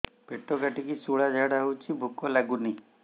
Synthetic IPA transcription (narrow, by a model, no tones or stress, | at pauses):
peʈːɔkaʈikisuɭad͡ʒaɽaut͡ʃʰibʱukɔlaɡuni